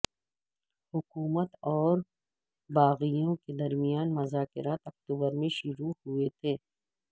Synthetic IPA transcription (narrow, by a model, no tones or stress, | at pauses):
hʊkuːmət̪ɔːɾ | baːɣijõked̪ɐɾmijaːnmʊzaːkɪɾaːt̪ɐk̚t̪uːbəɾmẽʃʊɾuhʊet̪ʰeː